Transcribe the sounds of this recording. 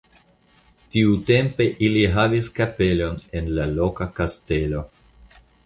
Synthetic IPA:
tiute̞mpe̞ʔiliɦaviskape̞lo̞ne̞nlalo̞kakaste̞lo̞

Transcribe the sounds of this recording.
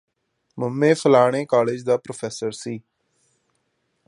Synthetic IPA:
məmːẽːpʰəlaːɽ̃eːkaːleːd͡ʒd̪aːpɾoːpʰɛːsəɾsiː

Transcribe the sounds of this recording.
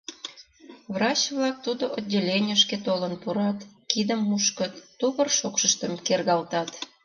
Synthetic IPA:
βrɑt͡ɕβlɑk̚t̪ud̪oʔodʲːelʲenʲəʃket̪olənpuɾɑt̪kid̪əmːuʃkət̪ːuβərʃokʃəʃt̪əmkerɣɑlt̪ɑt̪

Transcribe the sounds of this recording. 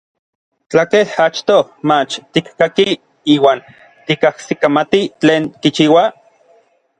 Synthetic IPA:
t͡ɬakehat͡ʃt̪omat͡ʃt̪ikːaki | iːwaːn | t̪ikahsikamat̪it͡ɬeːnkit͡ʃiːwa

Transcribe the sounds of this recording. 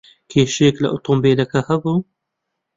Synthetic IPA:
kʰeːʃeklɐ̰ʔʊt̪ˤombeːlɐkɐhɐbu

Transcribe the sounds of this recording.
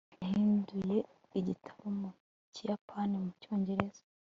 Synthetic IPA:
hiːnduje̞ | iɟitʰḁβomu | cijapʰanimuco̞ːɲɟe̞ɾe̞zḁ

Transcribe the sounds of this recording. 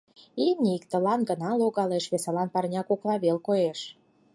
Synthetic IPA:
imnʲiikt̪ə̆lɑnɡənɑloɣɑleʃβesɑlɑnpɑrnʲɑkoklɑβelkojeʃ

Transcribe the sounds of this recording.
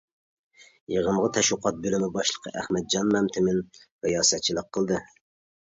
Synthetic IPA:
jeʁəmʁɑt̪ʰɛʃʊqʰɑt̪̚bølɪmɪbɑʃlˠəqʰəʔæhmɛd̪̚d͡ʒɑnmɛmt̪ʰɪmɪnpɛjɑːsɛt̪̚t͡ʃʰilˠəqʰːəlˠd̪ɨ

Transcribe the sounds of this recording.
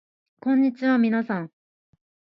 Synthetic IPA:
kõ̞ɲ̟ːit͡ɕiβamʲinasãŋ

